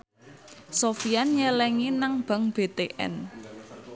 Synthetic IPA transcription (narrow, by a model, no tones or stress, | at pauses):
sofianɲɛlɛŋinaŋb̥a̤ŋb̥e̤t̪eʔɛ̰n